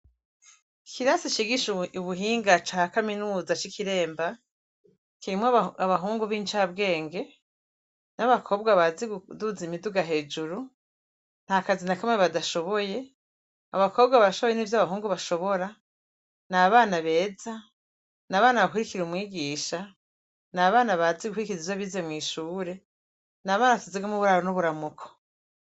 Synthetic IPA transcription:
kʰiɾasit͡ʃiɡiʃuβuɦiːŋɡat͡ʃakaminuːzat͡ʃikiɾe̞ːmba | kimwaaβaɦuːŋɡuβiːnt͡ʃaːbɡe̞ːŋɡe̞ | naβakʰo̞ːb̚ɡwaβaziduzimiduɡaɦe̞ːd͡ʒuɾu | n̥hakazinakameβadaʃo̞βoje̞ | aβakʰo̞ːbɡaβaʃoβoje̞niːvjaβaɦuːŋɡuβaʃo̞βo̞ɾa | naβaːnaβe̞ːza | naβaːnaβakuɾikiɾumwiːɡiːʃa | naβaːnaβaziɡuhuɾikiizizaβizemŋwiːʃuːɾe̞ | naβaːnaβatuziɡwamuβuɾaːɾonuβuɾamukʰo̥

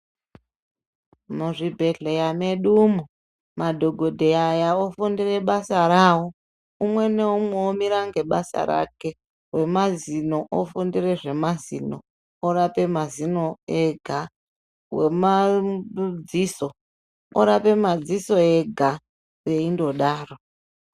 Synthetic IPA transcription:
muʐibʱe̞ɮejame̞ɗumu | madʱoɡʱodʱeajaofundire̞ɓasaɾaːwo | umwe̞neumweomiɾaŋɡe̞ɓasa̰ɾa̰ke̞ | we̞mazinoʔo̰fundire̞ʐe̞mazḭno̰ | oɾape̞mazinoeɡʱa | wema | d͡ziːso | o̰ɾape̞mad͡ziso̞eɡʱa | we̞indo̞ɗaːro

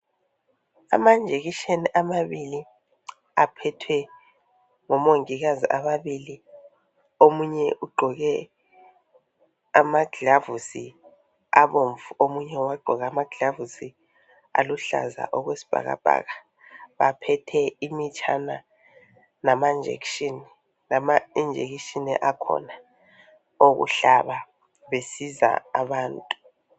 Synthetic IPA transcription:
a̰mand͡ʒʱeɣiʃeniʔamaβili | apʰɛtʰwɛ | ŋɔmoŋiɣaziʔamaβili | omuɲɛʔuɡ͡ǃʱɔɣɛ | amaɡʱɮavusi | aβoɱvuomuɲɛwaɡ͡ǃʱɔɣaːmaɡ̥ʱɮavusi | a̰luɬa̰za̰ʔɔɣwesi̥b̥ʱa̰ɣa̰b̥ʱa̰ːɣa | βapʰɛtʰɛimit͡ʃʰʼana | namand͡ʒʱḛkʃini | namaind͡ʒʱḛɣiʃiniʔakʰɔ̰na | oɣṵɬaβa | βesiza̰aβaːntʼu̥

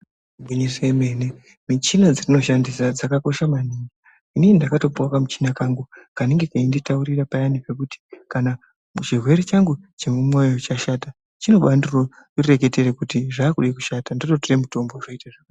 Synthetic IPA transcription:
bwiɲiseemene | mit͡ʃinad͡zirino̞ʃandisad͡zakako̞ʃamaniŋɡa | inenindakato̞puwakamut͡ʃinakaŋɡukaneŋɡe̞kainditauɾirapajanipe̞kuti̥kana | t͡ʃirwe̞ɾet͡ʃaŋɡut͡ʃe̞mumwejo̞t͡ʃaʃata | t͡ʃino̞ɓanduro | re̞k̬e̞teɾekutiʐaːkuɗiku̥ʃatandoto̞tiremuto̞mboʐoitaʐaa

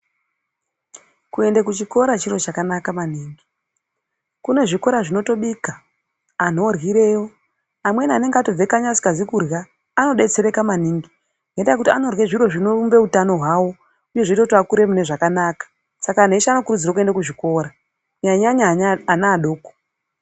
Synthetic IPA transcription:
kue̞ndekut͡ʃiko̞ɾat͡ʃiɾo̞t͡ʃakanakamaniːŋɡi | kune̞ʐiko̞ɾaʐino̞to̞ɓikaː | n̤o̞rwiɾe̞jo̞ | amwe̞niane̞ŋɡeato̞b͡vekaɲasi̥kazikurɣaː | no̞ɗe̞t͡se̞ɾe̞kamaniːŋɡi | nɡetaakutiano̞rwe̞ʐiɾo̞ʐino̞rumbe̞utano̞ɦwaːwo̞ | uje̞ʐeitotoakuɾe̞mune̞ʐakanakḁ | sakan̤eʃaano̞kurud͡ziɾakue̞ndakuʐiko̞ːɾa | ɲaɲaɲaɲanaːɗo̞ːko̥

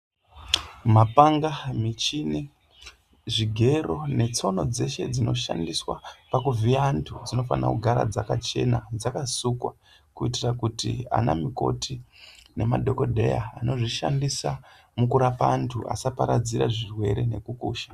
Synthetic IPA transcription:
mapaŋɡamit͡ʃini | ʐiɡʱe̞ro̞ne̞t͡so̞no̞d͡ze̞ʃe̞d͡zino̞ʃa̰ndiswapakuvʱiantʰud͡zino̞fa̰na̰kuɡʱaɾa̰d͡zakat͡ʃe̞nad͡zakasukwa̰ | kuitirakutḭa̰na̰miko̞̰tʰine̞madʱo̞ko̞dʱe̞̰ja̰ːno̞ʐiʃa̰ndisa | mukuɾapaːntʰua̰sapaɾad͡ziɾaʐirwe̞ɾe̞ne̞kukuːʃḁ

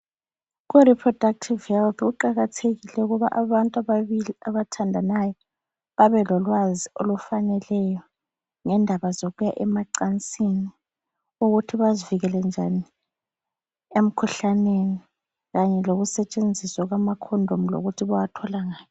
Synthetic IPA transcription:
ɣuɾipʰrɔd̥ak̚tʰivhɛlθɣuǃaɣatʰeɣilɛuɣuβa̰ʔaβantʼaβaβiliaβatʰandʱanajɔ | βaβɛlɔlwaziolufanɛlɛjɔ | ŋɛndʱaβazoɣujaʔɛmaǀant͡sʼini | uɣutʰiβaziviɣɛlɛnd͡ʒʱani | em̩kʰuɬaneni | ɣaɲɛloɣusɛt͡ʃʼend͡zʱiswaɣwamakʰɔndʱom̩lo̰ɣutʰiβawatʰɔlaŋaːjɔ

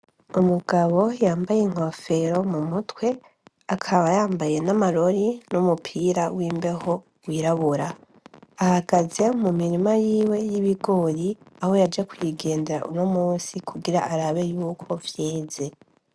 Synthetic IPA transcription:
umuɡ̥aβo̞jaːmbajeŋ̥ofe̞ɾo̞mumutwe̞ | akʰaβajaːmbaje̞namaɾo̞ɾinumupʰiɾawiːmbe̞ho̞ | wiːɾaβuɾaː | haɡaze̞mumiɾimajiːwe̞jiβiɡo̞ːɾiaho̞jad͡ʒekujiɡe̞ːnde̞ɾa̰ʔṵno̞muːsikʰuɡiɾaʔaɾaβe̞juːkʰo̞vjeːze̞

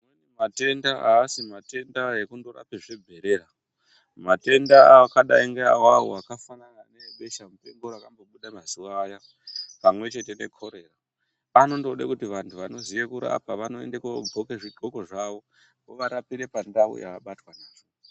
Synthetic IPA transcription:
mwenemate̞ndaʔaːsimate̞ndaekundoɾa̰peʐebʱe̞ɾe̞ːɾa | mate̞ndaakaɗaiŋɡeawao̰akafanananeɓe̞ʃamupe̞ŋɡoɾakambo̞ɓuɗamazuʋaːja | pamwe̞t͡ʃe̞te̞ne̞̰kʰo̞ɾe̞ra | ano̞ndo̞ɗakutiʋantʰuʋano̞zijekuɾa̰paʋano̞ḛndekob͡vʱokeʐiǃoko̞ʐaʋo̞ | ɡoʋaɾapiɾe̞pandao̰ja̰ːɓatwanaːt͡ʃo̥

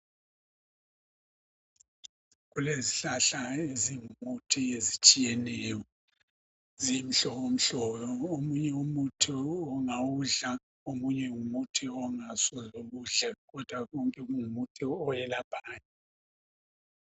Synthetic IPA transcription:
ɣuleziɬaɬaeziŋumutʰijezit͡ʃʼijenɛjɔ | zim̩ɬɔɣom̩ɬɔjɔomuɲɛumutʰiɔŋawuɮa | omuɲɛŋumutʰiɔŋasɔzoɣuɮɛɣɔd̥ʱwaɣɔŋkʼɛɣuŋumutʰiɔjɛlapʰaːɲɛ

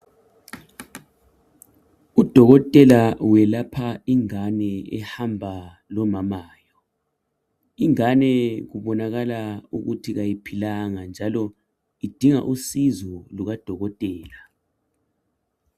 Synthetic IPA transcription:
ud̥ʱɔɣɔtʼɛlawɛlapʰaiŋanɛɛ̰hambʱa | lɔmamaːjɔ | iŋanɛɣuβɔnaɣalaṵɣutʰiɣajipʰilaŋand͡ʒʱalɔ | id̥ʱiŋa̰ʔusizɔluɣad̥ʱɔɣɔtʼɛːla

